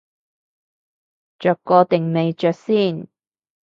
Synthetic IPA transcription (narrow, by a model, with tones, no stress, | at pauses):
t͡ʃœː˨˩kːɔː˧t̪ɪ˨˩ŋne˨˧jt͡ʃœː˨k̚siː˥˩n